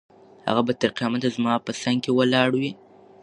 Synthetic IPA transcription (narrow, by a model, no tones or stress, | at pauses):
ha̰ɣabat̪aɾqijɑmat̪azmɑpəsaŋɡkewəlɑɽwi